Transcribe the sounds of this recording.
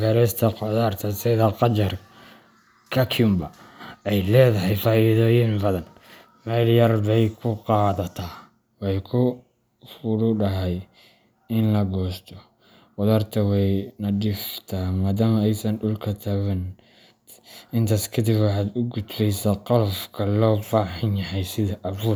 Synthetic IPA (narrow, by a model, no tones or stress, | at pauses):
ɡɐɾɛst̪ʰɐqɔðaːrt̪ʰɐsɪðɐqɑt͡ʃɐr | kʰɐkʰʊmbɐɛjlɛːðɐɦɛjfaːiðɔːjɪnbɐðɐn | mɛːljɐrbɛjkʰʊqɑːðɐt̪ʰaː | wɛjkʰʊ | fʊɽʊɖɐɦɛj | ɪnlɐɡɔːst̪ʰɔ | wɐðɔːrt̪ʰɐwɛjnɐɖɪft̪ʰaːmaːðaːmɐɛjsɐnɖʊlkʰɐt̪ʰɐwɛn | ɪnt̪ʰaːskʰɐd̪ɪbwɑħɑːd̪ʊɡʊd̪bɛjsaːqɑlfkʰɐlɔːfaːħɪnjɐhɛjsɪðɐʔɐfuː